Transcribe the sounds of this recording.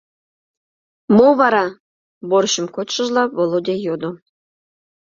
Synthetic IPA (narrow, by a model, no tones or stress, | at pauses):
moβɑɾɑ | boɾɕə̆mkotʃɤ̆ʒlˠɑβolˠod̪ʲejod̪o